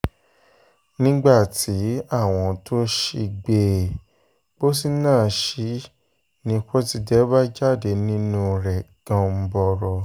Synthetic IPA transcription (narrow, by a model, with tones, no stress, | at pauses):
nĩ˦ɡ͡ba˦˨tʰi˨˦a˦˨w̃ɔ̃˧tʰo˦ʃi˧ɡ͡be˨ | b̥o˦si˦nãː˦˨ʃi˨˦ | nĩ˧ko˦ti˧dɛ˦ba˦d͡ʒa˦˨de˨˧nĩ˦nũ˧ɾɛ˨ɡ̥ã˧m̩˧˦bɔ˧ɾɔ˧